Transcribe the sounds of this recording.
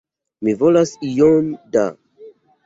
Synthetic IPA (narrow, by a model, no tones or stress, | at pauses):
mivɔlasijɔnda̰